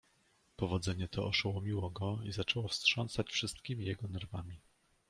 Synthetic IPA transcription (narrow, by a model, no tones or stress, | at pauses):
pɔvɔd̪zɛɲɛt̪ʰɔʔɔʂawɔmʲiwɔɡɔizat͡ʂɛwɔfstʂɔnsat͡ɕfʂɘst̪̚kʲimʲijɛɡɔnɛɾvamʲi